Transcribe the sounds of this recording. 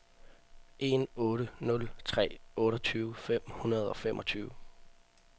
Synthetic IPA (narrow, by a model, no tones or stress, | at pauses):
ʔe̝nɔ̽ːɾənɔ̽lt͡sʰʁɛ̰ːɔ̽ːɾɐt͡sʰyːʊfem̰hunɐð̞̩ˠɒ̽femʔɒ̽t͡sʰyːʊ